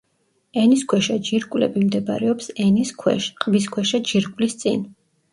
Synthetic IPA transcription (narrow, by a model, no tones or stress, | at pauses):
ɛniskʰwɛʃad͡ʒiɾkʼwlɛ̰bimd̪ɛba̰ɾɛɔpsɛniskʰʃqʼvis̬kʰwɛʃad͡ʒiɾkʼwlist̪sʼḭn